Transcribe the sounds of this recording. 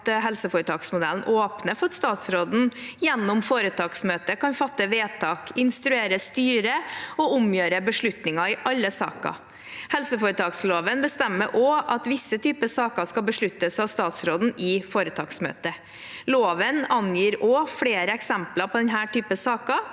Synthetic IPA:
t̪ɦɛlsəfoːɾət̪ʰɑːksmʊd̪ɛln̩ʔoːpnəfɔɾɑt̪st̪ɑːt̪sɾoːd̪n̩jɛnːʊmfoːɾət̪ʰɑːksmøːt̪əkɑnfɑt̪ːəʋeːt̪ʰɑːkɪnst̪ɾʉeːɾəst̪yːɾəɔʊmjøːɾəbəʂɭʉt̪nɪŋɑɪʔɑlːəsɑ̰ːkɑ̰ | hɛlsəfoːɾət̪ʰɑːksloːʋənbəst̪ɛmːəʔoʔɑt̪ʋɪsːət̪ʰyːpəsɑːkəskɑlbəʂɭʉt̪ːəsɑʋst̪ɑːt̪sɾoːd̪n̩ɪfoːɾət̪ʰɑːksmø̰ːt̪ə | loːʋənɑnjiːɾoːfɽeːɾəɛksɛmplɑpʰɔd̪ɛnɦæːʈyːpəsɑːkɑ

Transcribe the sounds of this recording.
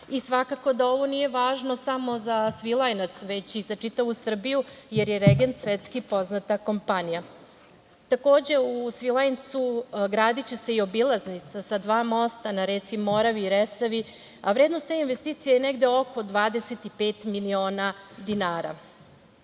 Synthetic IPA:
isʋakako̞d̪ao̞ʋo̞nije̞ʋaːʒno̞samo̞zasʋilˠajnat̪sʋet͡ɕiz̥at͡ʂit̪aʋusr̩bijujeɾjeɾeɡent̪sʋet̪skipo̞znat̪ako̞mpanija | t̪ako̞ːd͡ʑe̞usʋilˠajnt̪suɡɾaːd̪it͡ɕe̞se̞io̞bilˠaznit̪sasad̪ʋaːmo̞st̪anaɾet̪simo̞ɾaʋiːɾesaʋi | aʋɾed̪nost̪einʋest̪iːt̪sijejeneɡd̪e̞o̞ko̞d̪ʋaːd̪e̞set̪ipeːt̪milio̞ːnad̪inaːɾa̰

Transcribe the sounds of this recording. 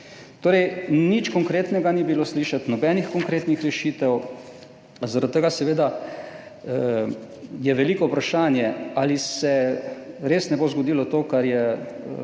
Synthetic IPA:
t̪oːɾɛjnit͡ʃkɔŋkɾeːt̪nɛɡanibilosliʃat̪nɔbɛːnixkɔŋkɾeːt̪nixɾɛʃit̪ɛw | zaɾat̪ːəɡasɛʋeːd̪a | jɛʋɛliːkɔwpɾaʃaːnjɛaːlisɛ | ɾeːsnɛbozɡɔd̪iːlɔt̪oːkaɾjɛ

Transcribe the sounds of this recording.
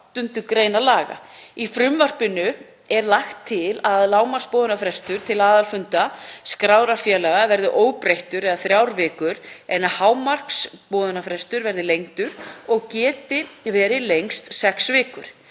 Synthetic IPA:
t̪ʏnt̪ʏkɾeːjnalaːɣa̰ifɾʏmvar̥pɪnʏ | ɛɾlaxt̪ʰːɪlaðlaːwmar̥spɔːðʏnafɾɛst̪ʏɾ̥t̪ʰɪlaːðalfʏnt̪askɾaːwɾafjaːlaɣavɛɾðʏʔoːwpɾejht̪ʏɾɛðaθɾjawɾvɪːkʏɾɛnahaːwmar̥kspɔːðʏnafɾɛst̪ʏɾvɛɾðɪlejŋt̪ʏɾɔɣcɛːt̪ɪvɛːɾɪlejŋst̪sɛksvɪːkʏ̰ɾ̥

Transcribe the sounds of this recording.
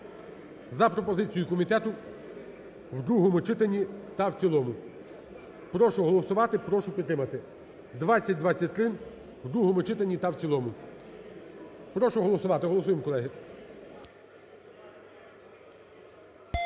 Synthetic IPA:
zɐpɾɔpɔzɪt͡sʲijʊkɔmʲit̪ɛt̪ʊ | wd̪ɾuɦɔmʊt͡ʃɪt̪enʲːit̪ɐwt͡sʲilˠɔmʊ | pɾɔʃʊɦɔlˠɔsʊʋɑt̪ɪpɾɔʃʊpʲid̪t̪ːɾɪmɐt̪ɪ | d̪ʋɑt͡sʲːɐt̚ʲd̪ʋɑt͡sʲːɐt̚ʲt̪ɾɪn | wd̪ɾuɦɔmʊt͡ʃɪt̪enʲːit̪ɐwt͡sʲilˠɔmʊ | pɾɔʃʊɦɔlˠɔsʊʋɑt̪ɪɦɔlˠɔsujemkɔlˠɛɦɪ

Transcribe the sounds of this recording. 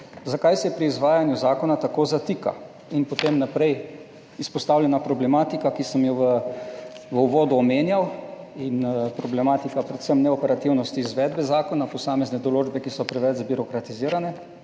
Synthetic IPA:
zakajsɛpɾiːzʋaːjanjuzaːkɔnat̪akoːzat̪iːka̰ | inpɔt̪eːmnapɾɛj | ispɔst̪aːwlʲjɛnapɾɔblɛmaːt̪ikakisəmjɔʋə | ʋəuʋɔːd̪uɔmeːnjaw | inpɾɔblɛmaːt̪ikapɾɛt̪səmnɛɔpɛɾat̪iwnɔst̪iːzʋɛːd̪bɛzaːkɔnapɔsaːmɛznɛd̪ɔloːd͡ʒbɛkisɔpɾɛʋɛd͡ʒbiɾɔkɾat̪iziːɾanɛ

